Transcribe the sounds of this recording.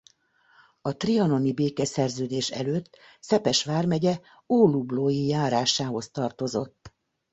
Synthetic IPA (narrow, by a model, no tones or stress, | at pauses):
ɒt̪riɒno̞nibeːkɛsɛrzøːd̪eːʃɛ̰løːt̪ː | sɛpɛʃʋaːrmɛɟɛ | oːlubloːjijaːɾaːʃaːɦo̞st̪ɒrt̪o̞zo̞t̪ː